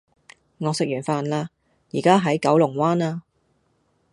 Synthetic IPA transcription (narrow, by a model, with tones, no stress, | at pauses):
ŋɔː˨˧sɪ˨k̚jyː˨˩nfaː˧nlaː˧ | jiː˨˩kaː˥ɦɐ˨˥jkɐ˨˥wlʊ˨˩ŋwaː˥naː˧